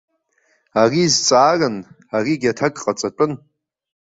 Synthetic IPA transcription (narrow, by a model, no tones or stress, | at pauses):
arizt͡sʼaːrɨn | ariɡʲatʰaɡʼqʼat͡sʼatʷʼʊn